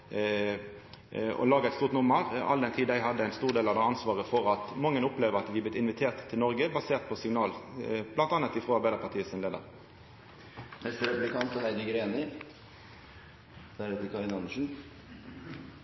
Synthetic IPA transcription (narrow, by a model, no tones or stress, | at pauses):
ɔ̰lɑːɡəæɪt̪st̪uːʁt̪nʊmːəʁɑ̰ld̪ɛnt̪ʰiːd̪æɪɦɑd̪əæɪnst̪uːʁd̪eːlɑʋd̪ɛɑnsʋɑːʁəfɔʁɑt̪mɑŋːənʊpleːʋəʁɑt̪ʋɪɑblɪt̪ɪnʋɪt̪ʰeːʁt̪ʰːɪlɔɾɡəbɑseːʁt̪̚pʰɔsɪŋnɑːlblɑnt̪ɑnət̪ɪfʁoːɑɾbæɪd̪əɾpʰɑt̪ʰiːəsɪnleːd̪ə̰ʁ | ɛstɾɛpʉlɪkɑnt̪ɔhæɪd͡ʒəɡɾeːnɪ | d̪̥æɾɛt̪əkʰɑɾɪnɑnʂn̩